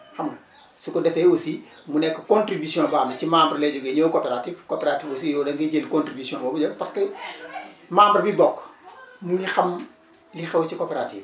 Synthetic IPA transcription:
xɐmɡɐ | sukɔdɛfɛwosi | munɛkːɐkɔ̃ntɾibisjɔ̃baːmɐcimaːmbɾlɛɟɔɡeɲowkɔːpɛɾatifkoːpɛɾatifosijɔdɐŋɡɐɟelkõntribisjɔ̃bɔbud͡ʒɔɡpɐskɐ | maːmbɐɾbibɔkːmulixɐm | lixɐwcikoːpɛɾatiːf

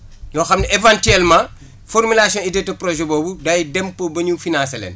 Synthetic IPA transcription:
ɲɔxɐmnɐevãntyɛlmãː | fɔrmilasijɔ̃nidɛtɐprɔʒɛbɔːbudajidɛmpːəbɐɲufinãnsɐlɛ̰ːn

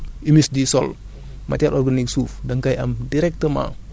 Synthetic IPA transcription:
imisdisɔl | ma̰taɾʔɔɾɡaniksufdaŋkajamdiɾɛk̚təma̰

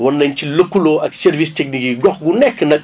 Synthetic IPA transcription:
wɐnːɐɲcilɐkːuloːʔɐksɛrvistek̚nikiɡɔxɡunɛkːənɐk̚

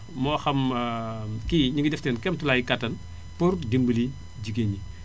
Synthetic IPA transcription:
mɔːxɐm | kiɲuŋɡidɛftɛːnkɛmtulajkɐtːɐn | purdimbəli | ɟiɡeɲi

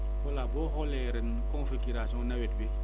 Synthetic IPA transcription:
walaboɦɔleɾin | kɔ̃fiɡiɾasɔ̃nawet̚bi

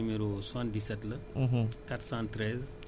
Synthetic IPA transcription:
meɾoswɐndisɐtlɐɦkɐʈsaːnt̪ɾez

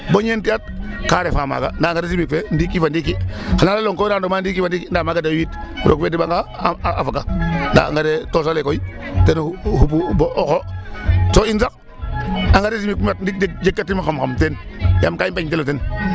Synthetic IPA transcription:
boɲentiat̚kaɾefaːma̰ɡa̰ndaŋɡaɾesimik̚fen̩dikifandikixanalaloŋkoɾandomaːndikifandikindamaɡadawitɾʔo̰kfedibaŋɡa | a̰fakanda̰ŋɡadetosalekoitenhup̬uboʔoxosoinsak | aŋɡaɾes̬imikumat̚ndik̚d͡ʒek̚d͡ʒekːatimaxamxamtenjamkaibaɲteloten

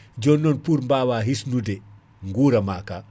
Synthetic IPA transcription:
d͡ʒɔnːɔnpuɾmbaːwaːɦisnude | ŋɡuːɾɐmaːka

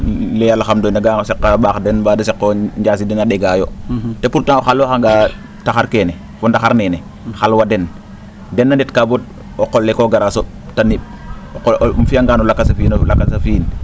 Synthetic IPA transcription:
lejalxamdonaɡasekːaɓaxdenbadasekːoɲd͡ʒaːs̬idinaɗeɡaːjo̰tepuɾtaŋoxalːoxaŋɡa | taxaɾkene | fondaxaɾnene | xalwaden | denːanditkabot̚ | oqolːekoɡaɾaso | taniɓ̚ | mfiaŋɡanolakːasafiːnlakːasafiːn

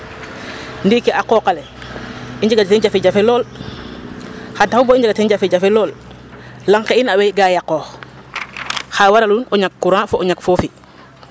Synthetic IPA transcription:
ndiːkɛʔakɔːkalɛ | iɲd͡ʒaɡatɛnd͡ʒafid͡ʒafɛlɔːl | xataubɔiɲd͡ʒaɡatɛnɟafiɟafɛlɔːl | laŋkeinawɛjɡajakɔːx | xawaɾalunɔɲakːuɾãfɔʔɔɲakfofi

